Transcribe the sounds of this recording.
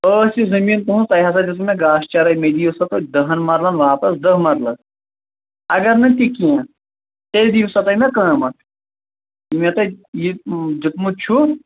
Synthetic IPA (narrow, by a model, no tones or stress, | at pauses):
əːsizɐmiːnt̪uɦũt̪ɐjɦas̬ɐd͡ʒɐt̪mẽɡaːst͡ʃɐɾɐmed̪iːsɐt̪ɐd̪ɐɦɐnmɐɾlɐnʋɐɦãːpɐsd̪ɐɦmɐɾlɐn | ɐɡɐɾnɐt̪ikijã | t̪eld̪iːsɐt̪ɐmẽkɐɦɐ̃mɐʈʰ | imẽt̪ɐjid͡ʒit̪mut͡ʃʰu